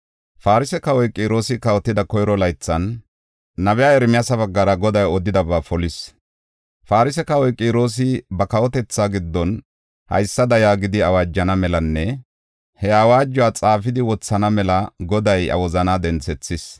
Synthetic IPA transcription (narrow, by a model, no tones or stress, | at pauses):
faːɾɪsɛkɐwɔjkʼiːɾo̞ːsɪkɐwɔt̪ːɪd̪ɐkɔjɾɔlɐjt͡sːɐnː | ɐbɛjaːɛɾmɪjɐsɐβɐɡːɐɾɐɡɔd̪ɐjɔd̪ɪd̪ɐbaːfɔlɪs | faːɾɪsɛkɐwɔjkʼiːɾo̞ːs̬ɪbɐkɐwɔt̪ɛt͡sːaɡɪd̪ːɔn | hɐ̰jsːɐd̪ɐjaːɡɪd̪ɪɐwaːd͡ʒːɐnɐmɛlɐnːɛ | hɛawaːd͡ʒːʊwaːt͡sʼaːfɪd̪ɪwɔt͡sːɐnɐmɛlɐɡɔd̪ɐjɐ̰wɔzɐnaːd̪ɛnt͡sɛt͡sːɪs